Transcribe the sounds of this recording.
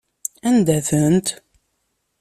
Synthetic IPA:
ænd̪æθənt̪

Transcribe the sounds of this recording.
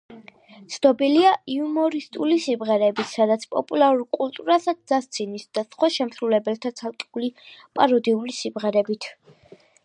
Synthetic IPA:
t̪sʰnɔbiliaiumɔɾist̪ʼulisimʁɛɾɛbit̪ʰsad̪at̪sʰpʼɔ̰pʼulˠaɾulkʼulˠt̪ʼuɾasad̪̚d̪zast̪sʰinisd̪̥asχwaʃɛmsɾulɛbɛlˠt̪ʰat̪sʰalˠkʼi̥ulipʼaɾɔd̪iulisimʁɛɾɛbit̪ʰ

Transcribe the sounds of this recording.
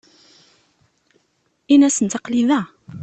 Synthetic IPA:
inæsənt̪ɑqliðæ

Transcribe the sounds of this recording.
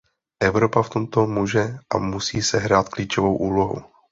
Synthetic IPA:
ʔɛvɾo̞paft̪o̞mt̪o̞muːʒɛʔa̰musiːsɛɦɾaːt̪kliːt͡ʃovo̞wʔuːlo̞ɦṵ

